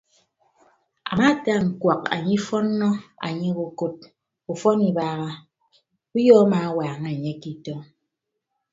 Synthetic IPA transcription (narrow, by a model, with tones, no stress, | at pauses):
a̰˨ma˦˨ta˦˨ŋ̩˨kwa˨ka̰˨ɲi˦fɔ˦nː˦ɔ˦a̰˨ɲe˦ɣo˨ko˦t̚ | u˨fɔ˦ni˨baː˦ɣa˦ | u˦jɔː˦a˦ma˨˦waː˨ŋe˨ɲe˦ki˨tɔ˦